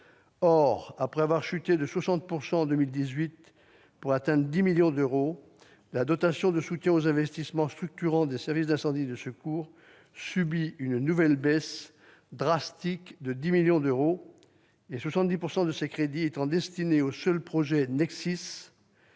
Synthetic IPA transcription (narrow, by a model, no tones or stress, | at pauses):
ɔʁapχɛavwaʁʃyt̪ed̪əswasɑ̃t̪̚puʁsɑ̃ɑ̃d̪ømild̪izɥit̪ | puʁat̪ɛ̃d̪d̪imiljɔ̃d̪øʁo | lad̪ɔt̪asjɔ̃d̪əsut̪jɛ̃ozɛ̃vɛst̪ismɑ̃st̪χyk̚t̪yʁɑ̃d̪esɛʁvisd̪ɛ̃sɑ̃d̪id̪əsəkuːʁ | sybiynnuvɛlbɛs | d̪ʁast̪ikd̪əd̪imiljɔ̃d̪øʁo | eswasɑ̃t̪d̪ipuʁsɑ̃d̪əsekχed̪iet̪ɑ̃d̪ɛst̪ineosœlpχɔʒɛnɛksis